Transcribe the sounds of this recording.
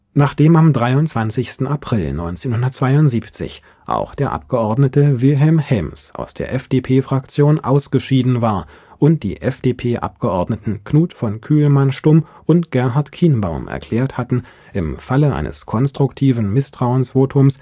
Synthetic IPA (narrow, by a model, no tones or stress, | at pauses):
naːχd̥eːmamdʁaɪʊntt͡sv̥ant͡sɪçstn̩apʁ̥ɪlnɔʏnt͡seːnhʊndɐt̚t͡sv̥aɪʊntz̥iːpt͡sɪ̰ç | ʔa̰ʊxd̥eːɐʔa̰p̚ɡ̥əʔɔɐdnətəvɪlɦɛlmhɛmsa̰ʊsd̥ḛːɐʔɛfd̥eːpʰeːfʁ̥akt͡sjoːnʔa̰ʊsɡ̥əʃiːdn̩vaːɐ | ʔʊnt̚d̥ḭːʔɛfd̥eːpʰeːʔa̰pɡ̥əʔɔɐdnətn̩knuːtfɔnkʰyːlmanʃtʊmʔʊntɡ̥ɛɐɦaɐtkʰiːnbaʊmʔɛ̰ɐkʰl̥ɛːɐthatn̩ | ʔɪmfaləʔa̰ɪnə̰skʰɔnstʁ̥ʊktʰiːvn̩mɪstʁ̥aʊənsv̥oːtʰʊms